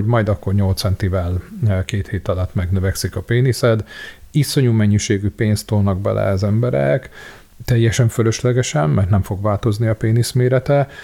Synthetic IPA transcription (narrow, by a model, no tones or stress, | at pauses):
oɟmɒjd̪ɒkːo̞rɲo̞lt̪sɛnt̪ivɛlkeːt̪heːt̪ɒlɒt̪ːmɛɡnøvɛksikɒpeːnisɛd̪iso̞ɲuːmɛɲːiʃeːɡypeːnst̪oːlnɒɡ̚bɛ̰lʔɛ̰ɒzɛmbɛɾɛ̰k | t̪ɛjːɛʃɛɱfølø̞ʃlɛɡɛʃɛmːɛrt̪nɛɱfo̞ɡʋaːlt̪o̞zniɒpeːnismeːɾɛt̪ɛ